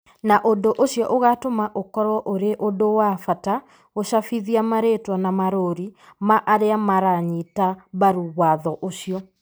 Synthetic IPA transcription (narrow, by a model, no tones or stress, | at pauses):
naʔondoʔoɕjɔʔoɣatomaʔokɔɾwɔʔoɾeʔodowafata | oɕafiðiamaɾetwanamaɾoɾimaʔaɾeamaɾaɲitaβaɾuɣwaðɔʔoɕiɔ